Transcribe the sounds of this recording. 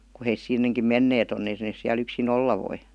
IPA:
ku heis sinːeŋkim menːeːt on et neːs siæl yksin olːɑ ʋoi

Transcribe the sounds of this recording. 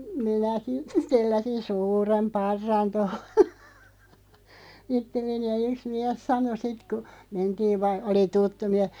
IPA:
minæki telːæsin suːrem pɑrːɑn toho̥ itːelːeni jɑ yks miɛs sɑno sit ku mentiːʋ ʋɑ oli tutːu miɛh̆

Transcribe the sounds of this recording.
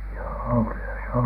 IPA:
joːo kylːæ se on

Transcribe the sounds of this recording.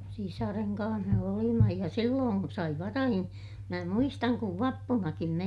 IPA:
sisɑreŋ kɑ̃ːh me olimɑ jɑ silːoːn sɑi ʋɑrɑhin mæ muistɑŋ kuʋ ʋɑpːunɑkim me

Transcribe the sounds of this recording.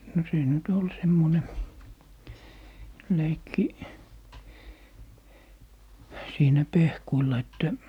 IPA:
no siːn nyt ol semːone leikːi siːnæ pehkuilːɑ etːæ

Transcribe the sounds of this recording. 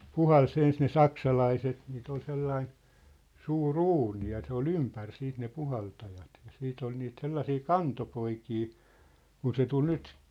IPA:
puhɑls ens ne sɑksɑlɑiset niːt ol selːɑin suːr uːni jɑ se ol ympær siːt ne puhɑltɑjɑt jɑ siːt ol niːt selːɑsiː kɑntopoikiː kun se tul nyt

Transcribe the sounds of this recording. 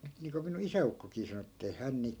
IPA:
nyt niːŋko minun isæukːokiː sɑno etːei hæn niːk

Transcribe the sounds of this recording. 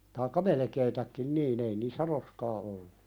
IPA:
tɑːikːɑ melĕkeːtækːin niːn ei niːsːæ roskɑː olːu

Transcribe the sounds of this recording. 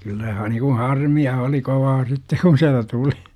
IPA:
kylːæ hɑ nikun̞ hɑrmiɑ oli koʋɑː sitːe kun̞ siæltæ tuli

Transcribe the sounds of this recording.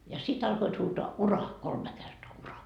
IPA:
jɑ sit ɑlkoit huːtoɑ urɑː kolme kertoɑ urɑː

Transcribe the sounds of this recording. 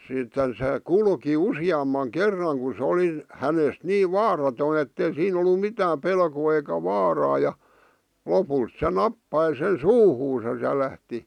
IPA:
sitːen se kulki usiɑmːɑŋ kerːɑŋ ku sĕ oli hænest niː ʋɑːrɑtoi etːei siːn olːu mitæːm pelkoː eikæ ʋɑːrɑː jɑ lopuit se nɑpːɑi sen suːhuːsɑs jɑ læhti

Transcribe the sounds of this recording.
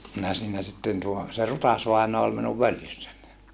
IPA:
minæ siːnæ sitːen tuo se rutɑsʋɑinoɑ ol minuʋ ʋøljysːæn

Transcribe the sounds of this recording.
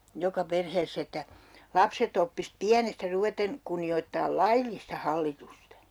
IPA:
jokɑ perheːsː etːæ lɑpset opːis piænestæ ruʋeten kunːioitːɑːl lɑilːistɑ hɑlːitustɑ

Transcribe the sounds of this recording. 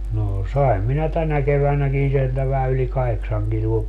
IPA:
noː sɑim minæ tænæ keʋænækin sieltæ ʋæhæ yli kɑheksɑŋ kiluo

